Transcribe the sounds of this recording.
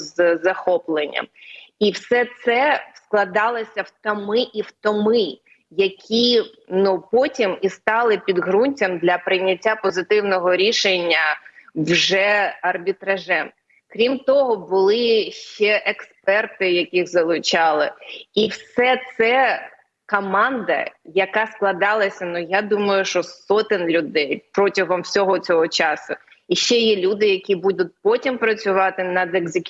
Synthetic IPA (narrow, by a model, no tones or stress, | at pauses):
zzɐxɔplˠenʲːɐ̰miwsɛt̪sɛwsklˠɐd̪ɑlˠɪsʲɐwt̪ɐmɪʔiwt̪ɔmɪ | jɐkʲʰi | nupɔtʲimist̪ɑlˠɪpʲid̪ɦɾunʲtʲɐmd̪lʲɐpɾɪjnʲːɐtʲːapɔzɪt̪ɪwnɔɦɔɾʲiʃenʲːɐwʒɛɐrbʲit̪ɾɐʒɛm | kɾʲimt̪ɔɦɔbʊlˠɪʃt͡ʃɛʔekspɛrt̪ɪjɐkʲixzɐlˠʊt͡ʃɑlˠɪiwsɛt̪sɛ | kɔmɑnd̪ɐ̰jɐkɑsklˠɐd̪ɑlˠɐsʲɐnujad̪umɐjʊʃt͡ʃɔsɔt̪ɪnʲlʲʊd̪ɛjpɾɔtʲɐɦɔmwsʲɔɦɔt͡sʲɔɦɔt͡ʃɑsʊ | iʃt͡ʃɛjɛlʲud̪ɪjɐkʲibud̪ʊt̚ʲpɔtʲimpɾɐt͡sʲʊʋɑt̪ɪnɐd̪eɡzɪkʲ